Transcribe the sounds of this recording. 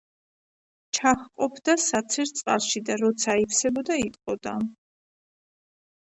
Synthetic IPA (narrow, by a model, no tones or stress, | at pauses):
t͡ʃʰaχqʼɔpʰd̪asat̪sʰɛɾt̪sʼqʼa̰lˠʃid̪aɾɔt̪sʰaipʰsɛbɔd̪ait̪ʼqʼɔd̪̥a